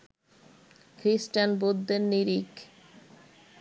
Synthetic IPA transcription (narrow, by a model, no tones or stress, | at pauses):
kʰɾisʈanbod̪ʱːeɾniɾik